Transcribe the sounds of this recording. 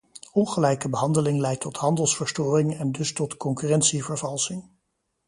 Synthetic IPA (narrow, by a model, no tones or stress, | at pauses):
ɔnχəlɛjkəbəɦɑndəlɪŋlɛjtʰɔtɦɑndəlˠsfəɹstoːrɪŋɛndɵstɔtkɔŋkyrɛntsivəɹvɑlˠsɪŋ